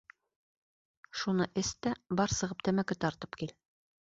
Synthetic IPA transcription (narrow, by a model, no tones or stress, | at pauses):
ʃunɤʔɘst̪æbɑɾsɤ̆ʁɤp̚t̪æmækɘt̪ɑɾt̪ɤ̥pkil